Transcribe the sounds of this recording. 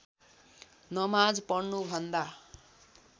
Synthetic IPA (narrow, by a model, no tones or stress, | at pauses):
nʌmad͡zpʌɽnubʱʌnd̪a